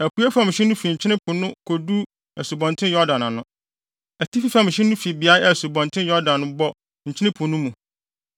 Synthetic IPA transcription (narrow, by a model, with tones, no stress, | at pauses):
æ˨ku˨˦ɛ˦fã˦mɪ̃˨ɕɪ˦nũ˦fi˨ɲ̩˨t͡ɕʰɪ˦nɪ̃˦pʰʊ̃˨nʊ̃˦kʰo˨du˦ | ɛ˨su˨bɔ̃˨ntʰɪ̃˦jɔ˦dã˨nã˨nʊ̃˦ | ɛ˨tʰi˦fi˦fã˦mɪ̃˨ɕɛ̃˦n˦ũ˦fi˨bi˨a˦ɛ˨su˨bɔ̃˨ntʰɪ̃˦njɔ˦dã˨nːʊ̃˦bɔ˦ | ɲ̩˨t͡ɕʰɪ˦nɪ̃˦pʰʊ̃˨nʊ̃˦mũ˨